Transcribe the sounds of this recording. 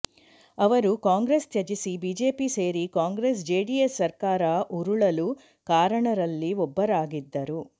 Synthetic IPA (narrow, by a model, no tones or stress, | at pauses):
ɐʋɐɾukaːŋɡɾest̪jɐd͡ʒisibiːd͡ʒe̞ːpise̞ːɾikaːŋɡɾes̬d͡ʒeːɖijesːɐɾkaːɾɐʔuɾuɭɐlu | kaːɾɐɳɐɾɐlːiɔbːɐɾaːɡid̪ːɐɾu